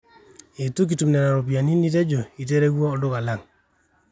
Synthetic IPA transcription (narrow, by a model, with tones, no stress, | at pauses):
e˨tu˦k̬i˨tu˨mnɛ˨ɾa˨ɾo˨p̬i˨a˨ni˦ni˦t̬ɛ˦d͡ʒo˨i˨t̬e˦ɾe˦ɡwɔː˦˨dʊ˦ka˨la˦˨ŋ